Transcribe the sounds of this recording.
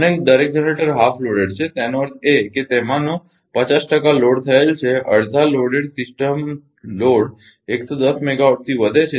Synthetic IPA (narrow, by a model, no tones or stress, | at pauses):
əned̪əɾek̚d͡ʒəneʈəɾɦafloɽeɽt͡ʃʰet̪janoəɾt̪eket̪emãno | pət͡ʃasʈəkaloɽt̪ʰəelt͡ʃʰeəɽd̪ʱaloɽeɽsɪsʈəm | loɽ | ekt̪od̪əsmɛɡaoʈ̚t̪ʰiʋəd̪ʱet͡ʃʰe